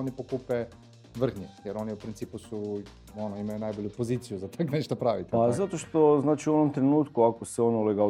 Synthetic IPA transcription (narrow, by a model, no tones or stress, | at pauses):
onipokupɛ | ʋəɾ̩xnʲɛjɛɾoniupɾint̪sipusu | onoimajunajbolʲjupozit̪sijuzat̪aknɛʃt̪opɾaʋit̪azat̪oʃt̪oznaːt͡ʃiuonomt̪ɾenuːt̪kuakoseonoleɡa